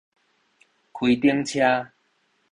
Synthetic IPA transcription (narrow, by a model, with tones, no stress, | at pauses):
kʰwi˨˩t̪i˦əŋt͡ɕʰja˦